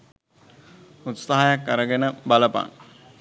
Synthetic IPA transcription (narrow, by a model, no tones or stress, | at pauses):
ut̪saɦajakːəɾəɡenəbaləpa̰ŋ